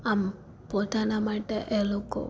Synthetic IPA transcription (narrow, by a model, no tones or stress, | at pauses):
am | pot̪anamaʈeʔeloko̰